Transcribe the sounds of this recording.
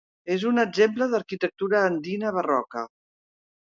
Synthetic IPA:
ezunəd͡ʒempləðəɾkit̪ək̚t̪uɾəːnd̪inəβərɔkə̰

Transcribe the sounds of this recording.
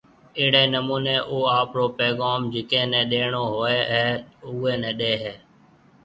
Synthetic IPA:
ɪːɽeːnəmuːneːʔoːaːpɽoːpeːɠaːmd͡ʒɪkẽːnɛ̃ːɗeːɳoːɦoːeːɦɛːʊːeːnɛ̃ːɗeːɦeː

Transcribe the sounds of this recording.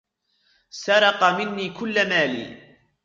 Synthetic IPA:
sɑɾˤɑqɑmɪnːiːkʊlːamaːlḭː

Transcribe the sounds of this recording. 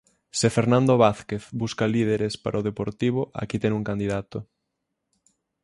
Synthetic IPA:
sefeɾnãnd̪oβaθkeθbuskalið̞eɾespa̰ɾʔaoðepoɾt̪iβ̞oʔa̰kit̪ɛŋuŋkand̪iðat̪o

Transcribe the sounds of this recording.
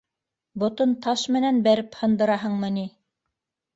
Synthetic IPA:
bŏt̪ɤnt̪ɑʃmɘ̆nænbæɾɘphɤ̆nd̪ɤ̆ɾɑɦɤɴmɤ̆ni

